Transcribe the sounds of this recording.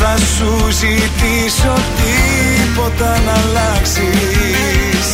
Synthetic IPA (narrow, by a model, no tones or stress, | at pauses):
ɐsuzit̪i | sot̪i | po̞t̪ɐnɐlɐksi | s